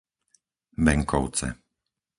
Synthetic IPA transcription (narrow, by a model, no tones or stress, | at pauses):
ʋɛŋkɔʊt͡sɛ̰